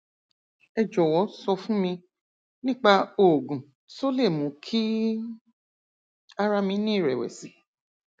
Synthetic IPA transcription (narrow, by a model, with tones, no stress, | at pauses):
ɛ˧d͡ʒɔ˨wɔ˨˦sɔ˧fũ˦mĩ˧ | nĩ˦k͡pa˧o˨ɡũ˨ | to˦le˦˨mũ˨˦kʰi˦ | a˦ɾa˧mĩ˧nĩː˦˨ɾɛ˨wɛ̰˨si˨˦